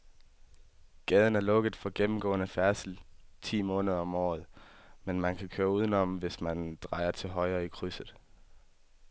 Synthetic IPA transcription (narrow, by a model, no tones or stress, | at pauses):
ɡ̥ɛːð̞ˠən̩æɐlɔ̽ɡ̥əð̩ˠfɒ̽ɡ̥emm̩ɡ̥ɔ̰̽ːənəfæɐsl̩t͡sʰḭːmɔ̽ːnəð̞ˠɐɒ̽mɒ̰ːð̞̩ˠmenmænkʰækʰøːɐuð̞ˠənɒm̩ʋe̝smænd̥ʁɑ̈ɪ̰ɐt͡sʰe̝lɦɒ̽ɪɐikʰʁysð̩ˠ